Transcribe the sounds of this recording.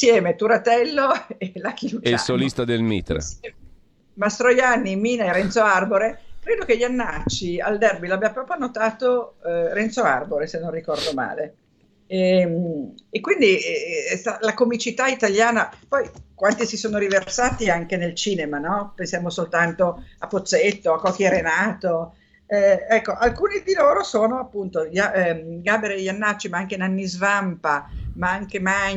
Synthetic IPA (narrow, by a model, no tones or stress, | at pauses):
sjɛːmet̪uɾat̪ɛlːoelak̟ilud͡ʒasolist̪ad̪elmḭt̪ɾ̰ | mast̪ɾojanːimiːnaeɾɛnt̪soarboɾekɾeːd̪ok̟eʎːanːat͡ʃːia̰ld̪ɛrbilabjapɾɔːpɾjonot̪aːt̪oɾɛnt̪soa̰rboɾesenːõnrikɔrd̪oma̰ːle | ɛmekːwind̪isalakomit͡ʃit̪ait̪aljaːnapɔjkwant̪isisoːnoɾiversaːt̪iaŋkenelt͡ʃiːnemanɔpensjaːmosolt̪ant̪oapːot̪sːet̪ːoakːɔk̟ːjeɾenaːt̪o | ɛɛkːoʔalkuːnid̪iloːɾosoːnoapːunt̪oʎaɡabeɾeʎːanːat͡ʃːimaaŋk̟enanːizvampamaaŋkema